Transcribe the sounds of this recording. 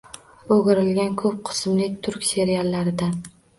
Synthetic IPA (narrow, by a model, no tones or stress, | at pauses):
oɡʲɪɾɪlɡʲankʰɵp̚qʰɨ̥smlɪt̪ʰʊɾkʲse̞ɾijalːaɾɪd̪an